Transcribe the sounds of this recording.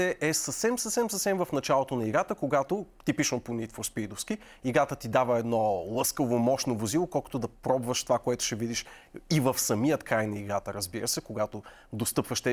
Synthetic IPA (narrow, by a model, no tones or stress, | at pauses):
ɛʔɛsəfsɛmsəfsɛmsəfsɛmvɐfnɐt͡ʃalˠot̪onɐiɡat̪əkoɡat̪ot̪ipiʃənponit̪fɾospid̪ofsk̟i | iɡat̪ət̪id̪avəɛd̪nɔlˠɤskəvomɔʃnovozilˠokɔlˠko̥t̪ʊd̪ɐpɾɔbvəʃt̪ovakoɛt̪ʊ̥ʃɛvid̪iʃ | ivəfsɐmijət̪kɾajnɐiɡat̪əɾəzbiɾəsɛkoɡat̪o | d̪ost̪ɤpvəʃt̪ɛ